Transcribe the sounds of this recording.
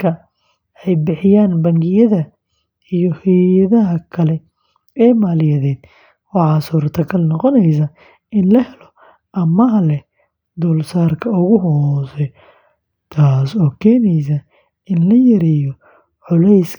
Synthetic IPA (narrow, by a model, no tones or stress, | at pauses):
kʰɐ | ɛjbɪħɪjaːnbɐŋɡɪjɐðɐ | ijɔhɛjɐðɐɦɐkʰɐlɛ | ɛːmaːlɪjɐðɛːd̪̥ | wɑħɑːsuːrt̪ʰɐkʰɐlnɔqɔnɛjs̬ɐ | ʔɪnlɐhɛlɔ | ʔɐmɐlɛ | d̪ɔːlsaːrkʰɐʊɣʊɦɔːsɛ | t̪ʰaːsɔːkʰɛːnɛjs̬ɐ | ɪnlɐjɐɾɛjɔ | ʕʊlɛjs